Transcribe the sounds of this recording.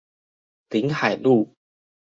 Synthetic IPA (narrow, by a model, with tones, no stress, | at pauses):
t̪i˨˦ŋha˨˩jlu˥˨